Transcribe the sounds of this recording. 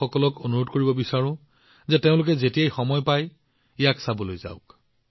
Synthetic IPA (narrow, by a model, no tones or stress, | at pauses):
ɔkɔlɔkonuɹodkoɹibɔbisaɹʊ̃ | zɛteʊ̃lʊk̬ɛzetijajxɔmɔjpaj | ijaksabɔlojza̰ʊk